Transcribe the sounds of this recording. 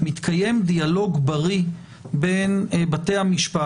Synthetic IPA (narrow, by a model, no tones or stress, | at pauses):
mit̪kʰaje̞mdialo̞ɡbaʁi | be̞nbate̞jhamiʃpa